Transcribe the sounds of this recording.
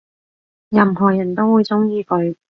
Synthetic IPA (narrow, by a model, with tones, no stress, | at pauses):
jɐ˨˩mɦɔː˨˩jɐ˨˩nt̪o˥wuː˨˧jt͡sʊ˥ŋjiː˨˧kɵ˨˧ɥ